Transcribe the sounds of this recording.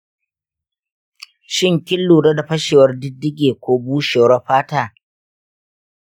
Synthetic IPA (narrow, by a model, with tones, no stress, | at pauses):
ʃɪ˦˨ŋkʲɪ˦lːuː˨ɽɐ˦da˨ɸɐ˦ʃeː˨wɐ˦rdɪ˦dːɪ˦ɡʲeː˨kʷoː˦buː˦ʃeː˨wɽɐ˦ɸaː˦taː˦˨